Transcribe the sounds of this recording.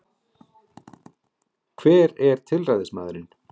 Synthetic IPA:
kʰv̥ɛːɾɛɾ̥t̪ʰɪlrajðɪsma̰ːðɾɪn

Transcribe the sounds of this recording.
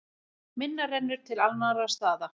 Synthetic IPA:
mɪnːarɛnːʏɾ̥t̪ʰɪlalnaɾast̪aːða

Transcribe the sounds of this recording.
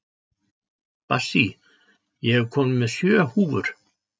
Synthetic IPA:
pa̰si | jɛhɛvkʰɔːmnɪmɛðsjœːhuːvʏɾ̥

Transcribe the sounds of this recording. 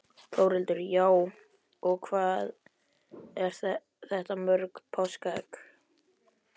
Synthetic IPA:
fʰoːwɾɪlt̪ʏɾjaːw | ɔɣkʰvaːð | ɛɾ̥θ | θɛht̪amœɾkpʰawskak

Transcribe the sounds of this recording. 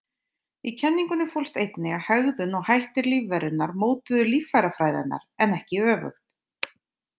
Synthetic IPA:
icʰɛnːiŋkʏnɪfowlst̪ejt̪nɛɣahœɣðʏnɔɣhajht̪ɪɾliːvːɛɾʏnaɾmoːwt̪ʏðʏliːfːajɾafɾajðɪ̰nːa̰ɾ̥ɛnɛhcɪœːvʏ̰xt̪

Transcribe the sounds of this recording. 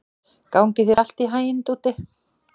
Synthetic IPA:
kaːwŋcɪθiɾal̥t̪iɦaːjɪnt̪uːt̪ɪ

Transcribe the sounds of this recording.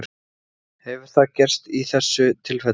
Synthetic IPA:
ɾ | hɛvʏɾ̥θaðcɛr̥st̪iθɛsːʏt̪ʰɪlfɛ

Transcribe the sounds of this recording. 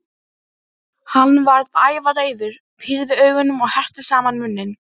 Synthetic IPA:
hanːvaɾðaːjvaleːjðʏɾ̥ | pʰiɾðɪœːɥɣʏnːʏmɔɣhar̥t̪ɪsaːmanmʏnːɪn

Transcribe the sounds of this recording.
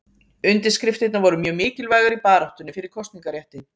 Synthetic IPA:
ʏnt̪ɪskɾɪft̪ɪt̪navɔɾʏmjœːɣmɪːcɪlvaːjɣaɾipaːɾaht̪ʏnɪfɪɾɪɾ̥kʰɔst̪niŋkaɾjɛht̪ɪn

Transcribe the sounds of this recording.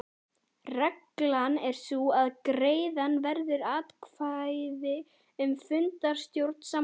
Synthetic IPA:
rɛklanɛɾ̥suaðkɾeːjðanvɛɾðʏɾaːt̪kʰvajðɪ | ʏmfʏnt̪aɾ̥st̪jowɾt̪n̥sa

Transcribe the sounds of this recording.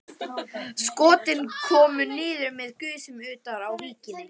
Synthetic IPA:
skɔːt̪ɪnkʰɔːmʏnɪːðʏɾmɛðkʏːsɪmʏːt̪aɾawviːcɪn

